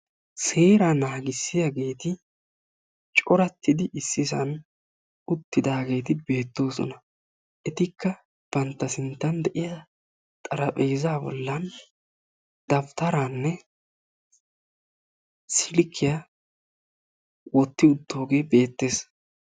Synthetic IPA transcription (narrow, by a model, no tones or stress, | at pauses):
se̞ːɾanaːɡɪsːɪjɐɡe̞ːt̪ɪ | t͡ʃʼɔɾɐt̪ʰːɪd̪ɪːsːɪzɐ̰n | ʊt̪ːɪd̪aːɡe̞ːt̪ɪbe̞ːt̪ːo̞ːsɔ̰nɐ | ʔɛt̪ɪkːɐ | b̥ɐnt̪ːɐsɪnt̪ːɐnd̪ɛʔɪjɐ | t̪ʼɐɾɐpʼeːzaːbɔ̰lːɐn | d̪ɐft̪ɐɾanːɛ | sɪlkʰːɪja | wɔt̪ːɪʊd̪ːo̞ːɡe̞ːbe̞ːt̪ːe̞ːs